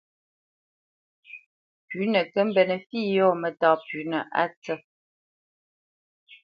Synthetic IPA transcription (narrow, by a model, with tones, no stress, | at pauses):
pʉ˨˦nə˨kə˦m̩˦bɛ˨nə˨fiː˦˨jɔ˦˨mə˦˨tɔ˦pʉ˨˦nə˨ʔa̰˦t͡sə˦